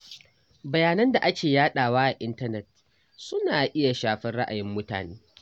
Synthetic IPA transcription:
bɐ˨jaː˨nɐ˦nda˨ʔa˦kʲeː˨jaː˦ɗaː˨waː˦ʔa˨ʔɪ˦ntɐ˦nɛ˨t̚ | sʊ˦naː˨ʔɪ˦ja˨ʃaː˨ɸɪ˦nɽa̰˦ʔa̰˨jɪ˦mːʊ˦ta̰ː˨neː˦

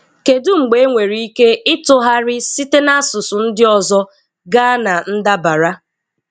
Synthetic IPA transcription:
ke˨dʊ˦ŋ͡m̩˨ɡ͡be˨˦ŋʷe˨ɾi˦i˦ke˦ɪ˦tʊ˦ɦa˦ɾɪ˦si˦te˦na˦a˦sʊ˨sʊ˨n̩˦dɪ˦ɔ˨zɔ˦ | ɡa˦na˨n̩˦da˦ba˨ɾa˦

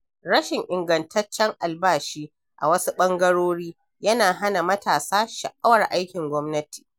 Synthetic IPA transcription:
ɽɐ˦ʃɪ˨ŋʔɪ˨ŋɡɐ˨ntʰɐ˦t͡ʃːɛ˦ŋʔa˨lbaː˦˨ʃiː˦ | ʔa̰˨wɐ˦su˦ɓɐ˦ŋɡɐ˦ɽoː˦ɽiː˦ | jɐ˦naː˨ɦa˦na˨mɐ˦taː˨saː˦ʃɐ̰˨ʔa˦wɐ˨rʔa˦jkʲɪ˨ŋɡʷɔ˦mnɐ˦ti̥ː˨

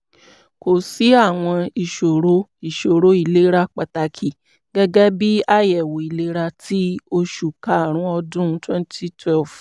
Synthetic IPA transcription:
ko˨si˨˦a˦˨w̃ɔ̃˧i˨ʃo˨ɾo˦i˨ʃo˨ɾo˨˦i˦˨le˨˦ɾa˧k͡pa˨ta˧kʰi˨ | ɡ̥ɛ˦ɡɛ˦bi˦a˦jɛ˨wo˨i˨le˨˦ɾa˧tʰi˦o˧ʃu˨ka˨˦˨ɾ̃ũ˦ɔ˧dũ˦twɛ̃˦n˦ti˦tʰwɛ˦˨lf

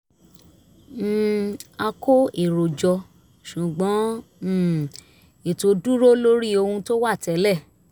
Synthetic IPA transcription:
a˧kʰo˦e˨ɾo˨d͡ʒɔ˧ | ʃu˨ɡ͡bɔ̃˨˦˨ | e˨to˧du˦ɾo˦lo˦ɾi˦o˧hũ˧to˦wa˦˨tɛ˨˦lɛ˦˨

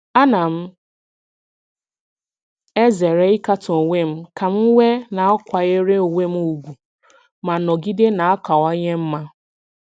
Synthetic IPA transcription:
a˦na˨m̩˦ | e˦ze˨ɾe˦i˦ka˦tʊ˨o˨ŋʷe˦m̩˦ka˨m̩˦wʷe˦na˨ɔ˦kʷa˨e˦ɾe˦o˨ŋʷe˦m̩˦u˨ɡʷu˨ | ma˨nɔ˨ɡi˦de˦na˨a˦ka˨wa˦ɲe˦m̩˦ma˦

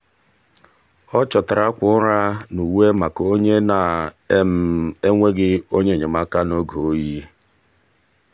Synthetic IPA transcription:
ɔ˦t͡ʃɔ˨ta˨ɾa˦kʷʊ˦ɾa˦nu˨we˦ma˨ko˦ɲe˦na˨˦ | m̩˦e˦ŋʷe˦ɡɪ˦o˦ɲe˦˨ɲe˨ma˦ka˦no˦ɡo˨o˦ji˦

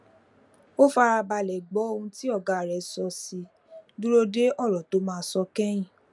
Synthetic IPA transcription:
o˦fa˧ɾa˧ba˧˨lɛ˨ɡ͡bɔ˨˦o˦˧ũ˧ti˦ɔ˦˨ɡa˨ɾɛ˨˦sɔ˧si˧ | du˦ɾo˦de˦ɔ˦˨ɾɔ˨to˨˦mãː˧˦sɔ˧kɛ˦j̃ĩ˦˨

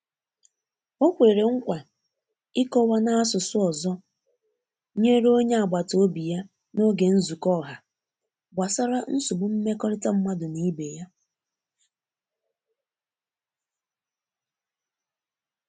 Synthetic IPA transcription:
o˦kʷe˨ɾe˨ɾe˨ŋ̩˦kʷa˨ | ɪ˦kɔ˦wa˦na˦a˦sʊ˨sʊ˦ɔ˨zɔ˦ | ɲe˦ɾo˦ɲe˦a˨ɡ͡ba˨to˦o˦bi˨ja˦ | no˦ɡe˨n̩˦zu˨kɔ˦˨ɦa˨ | ɡ͡ba˨sa˦ɾa˦n̩˦sʊ˨bʊ˨m̩˦me˦kɔ˦ɾɪ˦ta˦m̩˦ma˦dʊ˨ni˦be˨ja˦

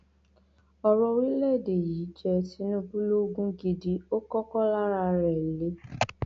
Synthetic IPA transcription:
ɔ˧ɾɔ˧˦wi˦lɛ˦˨de˨ji˨˦d͡ʒɛ˧ti˨˦nũ˦bu˦lo˦ɡũ˦ɡi˧di˦o˦kɔ˦kɔ˦la˦ɾa˧ɾɛ˨le˨˦

